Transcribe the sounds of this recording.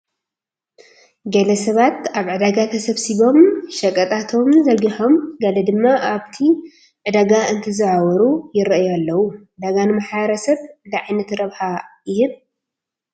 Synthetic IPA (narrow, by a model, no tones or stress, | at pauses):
ɡɐlɐsɐβat̪aβʕɨd̪aɡat̪ʰɐsɐβsiβo̞mʃɐkʼɐt̪ʼat̪ʰo̞mzɐɡiħo̞mɡɐlɐd̪ɨmːaʔaβt̪ʰi | ʕɨd̪aɡaɨnt̪ʰɨzɨʕawɔɾujɪɾɐʔjalːɐwuʕɨd̪aɡanɨmaħβɐɾɐsɐβnd̪ɐʕajnɐt̪ɾɐβħajɪhɨn